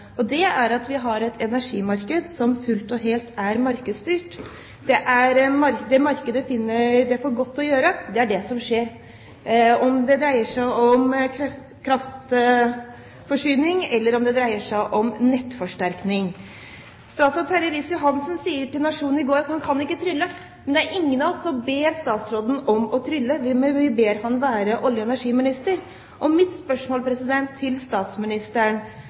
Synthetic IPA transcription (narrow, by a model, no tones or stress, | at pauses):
ɔd̪ɛæɾɑt̪ʋɪɦɑɾɛt̪ʰɛnæʂiːmɑɾkəd̪sɔmfʉlt̪ɔɦeːlt̪æɾmɑɾkəd̪st̪yːʈ | d̪ɛʔæɾmɑɾd̪ɛmɑɾkəd̪əfɪnːəɖ̪ɛfoːɾɡɔt̪ːɔjøːɾəd̪ɛæɖɛsɔmʂeːɾ | ɔmd̪ɛd̪ɾæɪəʂæɪɔmkʰ | kʰɾɑft̪ | fɔʂyːnɪŋɛlːəɾɔmd̪ɛd̪ɾæɪəʂæɪʔɔmnɛt̪ːfɔʂʈæɾknɪŋ | st̪ɑːt̪sɔt̪ʰæɾəɾɪsjʊɦɑnsənsiːəʈɪlnɑʂuːn̩ɪɡoːɾɑt̪hɑnkʰɑnɪkːət̪ʰɾʏlːə | mɛnd̪ɛææɾɪŋːənɑsɔmbeːɾst̪ɑːt̪sɾoːd̪n̩ɔmɔt̪ʰɾʏlːəʋɪʋɪbeːɾhɑnʋæːɾəʔɔljəɛnæʂiːmɪnɪst̪əɾ | ʔɔmɪt̪spœʂmoːlpʰɾɛsɪd̪ɛnt̪ʰːɪlst̪ɑːt̪smɪnɪst̪əɳ